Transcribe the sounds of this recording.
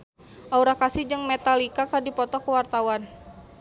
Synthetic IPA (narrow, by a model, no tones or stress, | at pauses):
ʔauɾakasihd͡ʒɨŋmɛt̪alikakadipɔt̪ɔkəwart̪awan